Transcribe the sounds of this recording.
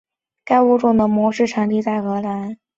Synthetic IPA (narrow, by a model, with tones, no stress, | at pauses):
ka˥˧ɪu˥˧ʈ͡ʂʊ˥˩ŋd̪ə˧˥mwɔ˧˥ʂɻ̩˥˩ʈ͡ʂʰɑ˧˥ŋt̪i˥˧t͡sa˥˩ɪxɤ˧˥la˧˥n